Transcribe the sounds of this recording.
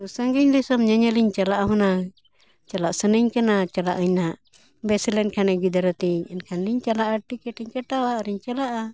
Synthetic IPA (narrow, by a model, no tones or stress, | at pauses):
səŋɡiɲd̪ɛsɔmɲəɲəliɲt͡ʃalaʔaɦɔna | t͡ʃalaʔsənəɲkanat͡ʃala̰ʔəɲnaʔ | bɛsilɛnkʰanɛɡid̪aɾɔt̪iɲɛnkʰanliɲt͡ʃalaʔaʈikɛʈɛɲkɛʈawaʔɾiɲt͡ʃalaʔa